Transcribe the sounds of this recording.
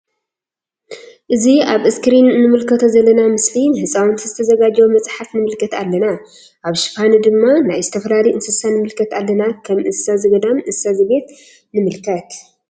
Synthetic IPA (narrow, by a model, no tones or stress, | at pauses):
ʔɨziaβʔɨskɨɾinːɨmɨlkʰɐt̪ʰozɐlːɐnamɨslihɨsʼawɨnt̪ʰizɨt̪ʰɐzɐɡad͡ʒwomɐt͡sʼħafnɨmɨlkʰɐt̪alːɐna | ʔaβʃɨ̥fanɨd̪ɨmːanajzɨt̪ʰɐfɐlalɐjɨnsɨsanɨmɨlkʰɐt̪alːɐnakʰɐmʔɨsazɨβɐd̪amʔɨsazɨβe̞t̪ | nɨmɨlkʰɐt̪